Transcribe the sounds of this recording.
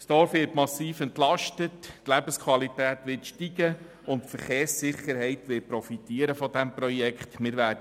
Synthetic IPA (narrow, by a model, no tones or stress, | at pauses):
sd̥ɔɾfʋɪːtmɑsiːfɛntlɑʃtəttlæbəskʰʋɑlitæːtʋɪtʃtiɡə | ʊntfəɾχeːɾsːɪχəɾhɛɪtʋɪpɾɔfitiəɾəfɔd̪ɛmpɾɔjɛkχtmɪːɾʋæːdə